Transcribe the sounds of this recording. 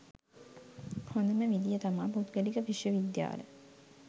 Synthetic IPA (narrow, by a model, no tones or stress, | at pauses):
hond̪əməʋid̪ijət̪amaːput̪ɡəlikəpiʃjəʋid̪ja̰ːlə̰